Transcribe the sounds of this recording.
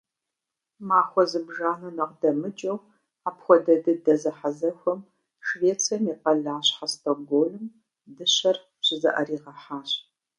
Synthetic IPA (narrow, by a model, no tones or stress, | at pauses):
maːxʷɔzɨbʒaːnɐnɐqdɐmɨt͡ʃʼɐw | aːpxʷɔdɐdɨdɐzɐħazɐxʷɔm | ʃveːt͡sʰʼijɐmiːqɐɮaːɕħastʰʼoɡoːlɨm | dɨɕɐr | ɕɪzɐ̰ʔɐriːʁɐħaːɕ